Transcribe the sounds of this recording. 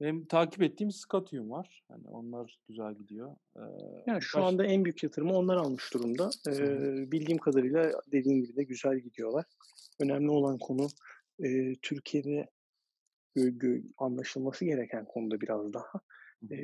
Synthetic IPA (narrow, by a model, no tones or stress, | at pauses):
ɛmt̪ʰaːcipɛt̪ʰːiːmsɯ̥kʰat̪ʰujumvaɾ̥ha̰nɪ̰o̰nlˠaɾɟ̥yzælʲɟid̪ijo̰ | jaːnʃuand̪aænbyjycʰjat̪ʰɯɾɯmao̞nlˠaɾalˠmɯʃd̪uɾumd̪aɯbilʲɟimkʰad̪aɾɯjlˠad̪e̞d̪iːmɟibid̪ɛɟyzælʲɟid̪ijo̞lˠaɾ̥ | ø̞nɛmlʲio̞lˠankʰo̞nu | ɯːt̪ʰyɾcʰije̞d̪ɛ | øɟøanlˠaʃɯlˠmasɯɟe̞ɾecʰænkʰo̞nud̪abiɾazd̪ahaː